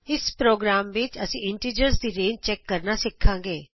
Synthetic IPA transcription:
ɪspɾoːɡɾaːmʋɪt͡ʃəsĩɪɳʈiːd͡ʒəɾsd̪iːɾẽːnt͡ʃɛkːɐɾnasɪkʰːãːŋɡeː

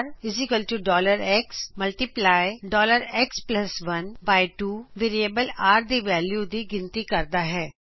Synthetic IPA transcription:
ɾɪzikəlʈuɖɔːləɾɛksmɐlʈiplaːɪɖɔːləɾɛksplɐsʋɐnbaːɪʈuːʋeːɾiebəlaːɾd̪iʋɛːljud̪iɡɪ̃nt̪ikɐɾd̪aɦɛː

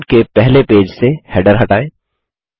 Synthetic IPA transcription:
ɖkepɛɦlepeːd͡ʒsehɛɖəɾɦɐʈaːẽː

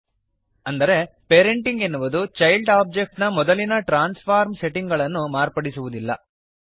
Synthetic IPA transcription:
ɐnd̪ɐɾe̞ | peːɾeɳʈiŋɡenːuʋud̪ut͡ʃɐjlɖaːb̚d͡ʒek̚ʈnɐmɔd̪ɐlinɐʈɾaːnspʰaːɾmse̞ʈiŋɡɐɭɐnːumaːɾpɐɽisuʋud̪ilːɐ̰

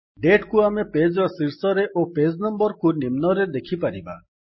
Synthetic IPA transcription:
ɖeʈkuameped͡ʒɾɔsiɾsɔɾeʔoped͡ʒnɔmbɔɾkunimnɔɾed̪ekʰipaɾiba̰

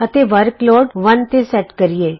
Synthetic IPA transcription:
ət̪eːʋəɾklɔːɖʋənt̪esɛʈkəɾieː

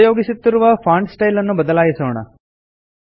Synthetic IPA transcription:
joːɡisit̪ːiɾuʋɐfaːɳɖsʈɐjlɐnːubɐd̪ɐlaːjisoːɳɐ̰

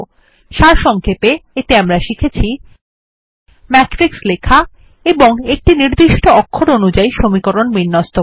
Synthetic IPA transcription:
ʃaɾʃɔŋkʰepeet̪eamɾaʃikʰet͡ɕʰi | mɛkʈɾikslekʰa | eboŋek̚ʈiniɾd̪iʃʈoɔkʰːoɾonud͡ʑaiʃomikoɾonbinːɔst̪o

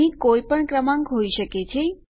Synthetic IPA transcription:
ĩkojpəɳkɾəmãŋɡɦoiʃəket͡ʃʰe

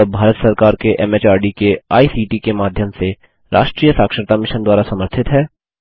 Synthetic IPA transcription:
bʱaːɾət̪sɐɾkaːɾkeʔɛmeːt͡ʃaːɾɖikeaːisiːʈikemaːd̪ʱjəmse | ɾa̰ːʃʈɾiːjəsaːkʃəɾt̪amɪʃənd̪waːɾasɐməɾt̪ʰɪt̪ɦɛː

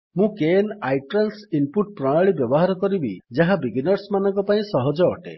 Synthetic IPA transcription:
mũkenajʈɾansimpuʈ̚pɾɔɽ̃aɭibjɔbɔɦaɾɔkɔɾibḭd͡ʒaɦabiɡinɔɾsmanɔ̃ŋkɔpaĩsɔɦɔd͡ʒɔːʈḛ

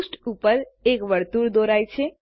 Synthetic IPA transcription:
sʈupəɾekʋəɾt̪uɾd̪oɾajt͡ʃʰe

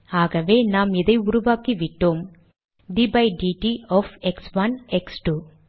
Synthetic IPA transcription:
aːɣɐʋeːnaːmɪðɐɪʊɾʊʋaːkiʋɪʈːoːm | ɖibɐjɖiʈiɔːfɛksʋɐnɛksʈu

